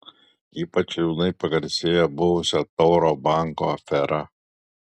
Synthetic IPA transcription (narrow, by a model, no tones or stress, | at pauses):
iːpɐt͡ʃjuːnɐɪpɐɡɐɾʲsʲeːjɛbʊʋʊsʲɛt̪ɔʊɾoːbɑˑŋko̰ɐfʲɛɾɐ